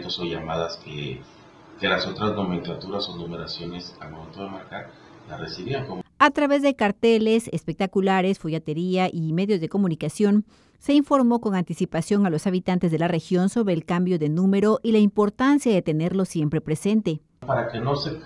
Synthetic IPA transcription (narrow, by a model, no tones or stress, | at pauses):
t̪osoʝamaðaskḛ | kelaso̞t̪ɾaznomẽ̞ŋklat̪uɾasonume̞ɾasjo̞ne̞salmome̞nt̪o̞ðemaɾka | laresiβiaŋkomat̪ɾaβe̞zðe̞kaɾt̪e̞le̞sespek̚t̪akulaɾe̞sfoʝat̪e̞ɾiaʔime̞ðjo̞zðe̞ko̞mũnikasjo̞n | se̞iɱfo̞ɾmo̞ko̞ŋant̪isipasjoŋalo̞saβ̞it̪ant̪e̞zðe̞lare̞xjo̞nso̞βɾe̞ːlkambjo̞ðe̞nũme̞ɾo̞ʔilaimpo̞ɾt̪ansjaðe̞t̪e̞ne̞ɾlo̞sjempɾe̞pɾese̞nt̪e̞ | paɾake̞no̞se